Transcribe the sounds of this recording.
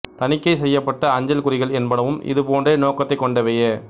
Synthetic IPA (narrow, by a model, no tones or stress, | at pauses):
t̪ɐnɪkːɐɪsɛjːɐpːɐʈːɐɐɲd͡ʒɐlkʊɾɪɣɐɭɛnbɐɽɐʋɯmɪ̰ðɯpoːndreːnoːkːɐt̪ːɐɪkːɔɳɖɐʋɛjɐ